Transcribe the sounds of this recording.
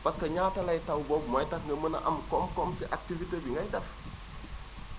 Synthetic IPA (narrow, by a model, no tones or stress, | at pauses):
pɐskɐɲaːtɐlɐjtɐwbɔb̚mɔjtɐkŋɡɐmənɐ̰ʔɐmkɔmkɔmsiʔak̚tivitebiŋɡɐjdɛf